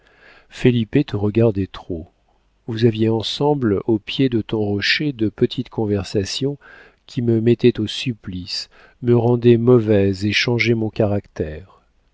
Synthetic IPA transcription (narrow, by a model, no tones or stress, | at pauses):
felipet̪əʁəɡaʁd̪et̪χo | vuzavjeɑ̃sɑ̃blopjed̪ət̪ɔ̃ʁɔʃed̪əpət̪ʰit̪kʰɔ̃vɛʁsasjɔ̃ | kʲʰiməmɛt̪ɛt̪osyplis | məʁɑ̃d̪ɛmɔvɛzeʃɑ̃ʒɛmɔ̃kaʁakt̪ɛːʁ